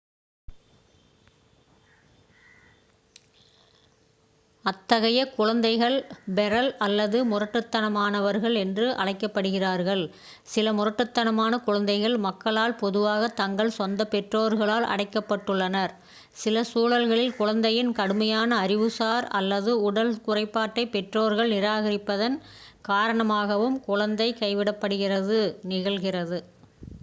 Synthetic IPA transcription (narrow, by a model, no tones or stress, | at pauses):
ɐt̪ːɐɣɐjɐkʊɻɐnd̪ɐɪɣɐɭbɛɾɐlɐlːɐðɯmʊrɐʈːɯt̪ːɐnɐmaːnɐʋɐɾɣɐɭɛndrɯʔɐ̰ɻɐɪkːɐpːɐɽɯɣɪraːɾɣɐɭ | sɪlɐmʊrɐʈːɯt̪ːɐnɐmaːnɐkʊɻɐnd̪ɐɪɣɐɭmɐkːɐɭaːlpɔðɯʋaːɣɐt̪ɐŋɡɐɭsɔnd̪ɐpɛʈroːɾɣɐɭaːlʔɐ̰ɽɐɪkːɐpːɐʈːɯɭːɐnɐɾ | sɪlɐsuːɻɐlɣɐɭɪlkʊɻɐnd̪ɐjɪnkɐɽɯmɐjaːnɐːɾɪʋɯsaːɾɐ̰lːɐðɯʊɽɐlkʊrɐɪpːaːʈːɐɪpɛʈroːɾɣɐɭnɪɾaːɣɐɾɪpːɐðɐn | kaːɾɐɳɐmaːɣɐʋɯmkʊɻɐnd̪ɐɪkɐɪʋɪɽɐpːɐɽɯɣɪrɐðɯnɪɣɐɭɣɪrɐðɯ